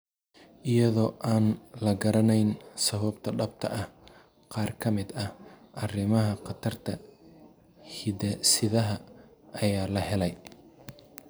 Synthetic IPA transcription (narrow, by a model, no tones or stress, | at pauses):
ʔɪjɐðɔːʔaːnlɐɡɐɾɐnɛjnsɐβɐbt̪ʰɐɖɐb̚t̪ʰɐ̰ʔɐh | qɑːrkʰɐmɪd̪ɐhʔɐrɪmɐɦɐqɑt̪ʰɐrt̪ʰɐ | hɪdɐsɪðɐɦɐɐjaːlɐhɛlɛj